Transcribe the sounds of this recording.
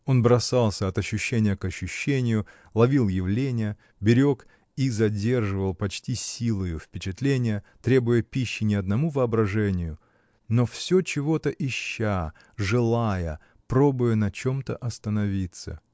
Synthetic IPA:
o̞nbɾɐsalˠsʲəɐt̪ɐɕːʉɕːenʲɪjəkɐɕːʊɕːenʲɪjʊ | lˠɐvʲilˠjɪvlʲenʲɪjə | bʲɪɾʲo̞k | izɐdʲe̞rʐɨvəlˠpɐt͡ɕtʲisʲilˠəjʊfpʲɪt͡ɕɪt̪lʲenʲɪjə | t̪ɾʲe̞bʊjəpʲiɕːɪnʲɪɐd̪nɐmuvəɐbɾɐʐɛnʲɪjʊ | no̞fsʲot͡ɕɪvo̞t̪əʔɪɕːa | ʐɨlˠajə̰ | pɾo̞bʊjənɐt͡ɕo̞mt̪ə̰ʔɐst̪ənɐvʲit̪sə̰

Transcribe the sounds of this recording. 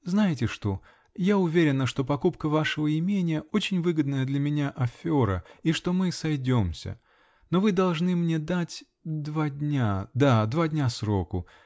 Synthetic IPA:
znajɪtʲɪʂt̪o̞ | jaʊvʲeɾʲɪnːəʂt̪o̞pɐkupkəvaʂəvəɪmʲenʲɪjəot͡ɕɪnʲvɨɡəd̪nəjəd̪lʲəmʲɪnʲaʔɐfʲo̞ɾəiʂt̪o̞mɨsɐjdʲo̞msʲə̰ | no̞vɨd̪ɐlˠʐnɨmnʲe̞d̪atʲ | d̪vadʲnʲad̪ad̪vadʲnʲasɾo̞kʊ

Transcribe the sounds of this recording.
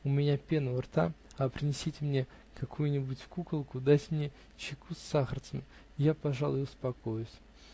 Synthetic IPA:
ʊmʲɪnʲapʲenəvərt̪aɐpɾʲɪnʲɪsʲetʲɪmnʲe̞ | kɐkʰujʊnʲɪbʊtʲfkukəlˠkʊd̪atʲmnʲe̞ | t͡ɕɪkʰusːaxərt̪səmʲɪ | ɪjapɐʐalˠʊjʊʊspɐko̞jʊsʲ

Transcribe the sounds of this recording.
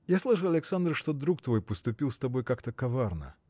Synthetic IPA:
jaslˠɨʐɨɐlʲɪksand̪rʂt̪od̪ɾuk̚t̪vojpəst̪ʊpʲilˠst̪ɐbo̞jkakt̪əkɐvarnə̰

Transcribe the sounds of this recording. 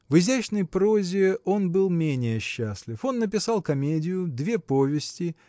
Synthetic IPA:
vɨzʲæt͡ɕnəjpɾo̞zʲɪo̞nbɨlˠmʲenʲɪjəɕːæsʲlʲɪfo̞nːəp̬ʲɪsɑlˠkɐmʲedʲɪjʊd̪vʲe̞po̞vʲɪsʲtʲɪ

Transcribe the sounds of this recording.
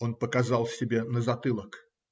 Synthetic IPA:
o̞npəkɐzɑlˠsʲɪbʲenəzɐt̪ɨlˠək

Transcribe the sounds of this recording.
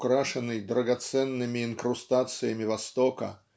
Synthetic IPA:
kɾaʂɨnːɨjd̪ɾəɡɐt̪sɛnːɨmʲɪɪnkɾʊst̪at̪sɨjəmʲɪvɐst̪okə̰

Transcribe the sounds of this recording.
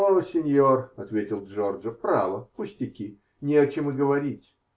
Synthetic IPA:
osʲɪnʲjorɐt̪vʲetʲɪlˠʐorʐəfpɾa̰vəpʊsʲtʲɪkʲi | nʲɪɐt͡ɕɪmɨɡəvɐɾʲitʲ

